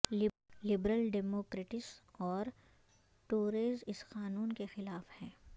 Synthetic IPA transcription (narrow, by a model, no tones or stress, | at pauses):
lɪ | lɪbɾəlɖɛːmoːkɾeːʈɪsɔːɾ | ʈuːɾeːzɪsqaːnuːnkexɪlaːfhɛ̃ː